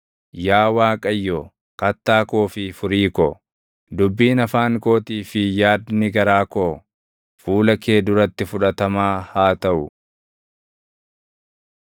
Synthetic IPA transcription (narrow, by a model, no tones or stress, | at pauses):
jaːwaːkʼɐjːɔ | kɐt̪ːaːkoːfɪfʊɾiːkɔ | d̪ʊbːiːnɐfaːŋko̞ːt̪iːfɪjaːd̪nɪɡɐɾaːko | fuːlɐke̞ːd̪ʊɾɐt̪ːɪfʊᶑɐt̪ɐmaːhaːt̪ɐʔʊ